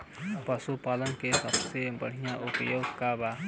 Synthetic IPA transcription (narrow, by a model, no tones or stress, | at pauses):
pəsupaːlənkesəbsebə̰ɽ̤ijãʔupəjoːɡkaba